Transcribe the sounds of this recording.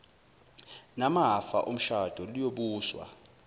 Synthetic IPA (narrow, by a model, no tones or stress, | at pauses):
namaɦafa̰ʔom̩ʃad̥ʱɔlijoɓuːswa̰